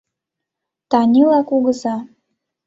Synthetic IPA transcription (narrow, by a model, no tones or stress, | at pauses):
t̪ɑnʲilɑkuɣəzɑ